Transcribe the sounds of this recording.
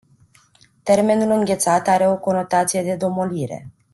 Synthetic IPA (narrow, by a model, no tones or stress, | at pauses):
t̪e̞rme̞nulɨŋɡʲe̞t̪sat̪aɾe̞o̞ko̞no̞t̪at̪sije̞d̪e̞d̪o̞mo̞liɾḛ